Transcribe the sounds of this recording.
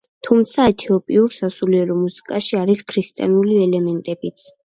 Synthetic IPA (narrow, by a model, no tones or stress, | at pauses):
t̪ʰumt̪sʰaɛt̪ʰiɔpʼiuɾsasuliɛɾɔmusi̥kʼaʃiaɾiskʰɾist̪ʼia̰nuliɛlɛmɛnt̪ʼɛbit̪sʰ